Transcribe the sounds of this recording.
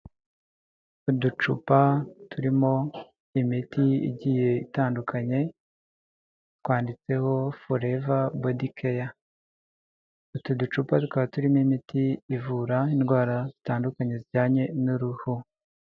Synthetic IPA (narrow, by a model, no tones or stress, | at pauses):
udut͡ʃṵpatʰuɾimo̞ | imitiḭɟiːje̞itaːndukʰaɲe̞ | twaːndit͡se̞ho̞foɾe̞vabodikʰeja | utudut͡ʃupatukaβatuɾimoimitʰiːvuɾaindɡwaːɾazi̥taːndukaɲe̞ziɟaːɲe̞nuɾuhu